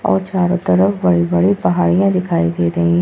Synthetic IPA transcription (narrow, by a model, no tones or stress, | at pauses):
ɔ̰ːɾt͡ʃaːɾõːt̪əɾəfbəɽiːbəɽĩːpəɦaːɽijãːd̪ɪkʰaːiːd̪eːɾəĩː